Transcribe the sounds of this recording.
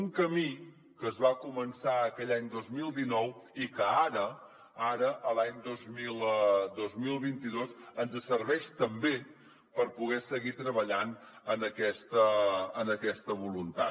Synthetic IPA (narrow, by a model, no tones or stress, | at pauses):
uŋkəmi | kəzβakumənsaəkɛʎaɲd̪ozmilˠd̪inɔwikəaɾə | aɾəʔəlaɲd̪ozmilˠd̪ozmilˠβint̪iðosənzəsəɾβɛʃt̪əmbe | pəɾpuɣɛsəɣit̪ɾəβəʎan | ənəkɛst̪əənəkɛst̪əβulunt̪a̰